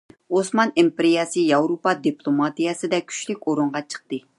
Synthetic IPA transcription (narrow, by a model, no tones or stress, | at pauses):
osmɑnimpɪɾijɛsɨjɑwɾopɑd̪iplˠomɑt̪ijɛsɨd̪ɛkʲʰy̥ʃlykʲoɾuɴʁɑt͡ʃʰə̥qt̪ɨ